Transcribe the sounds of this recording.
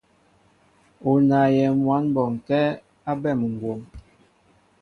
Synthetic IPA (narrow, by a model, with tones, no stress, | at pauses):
o˨na˨jɛ˨mwa˨˦nbɔ˨ŋ˨kɛ˦ | a˦bɛ˦˨m˨ŋ˨ɡwo˨m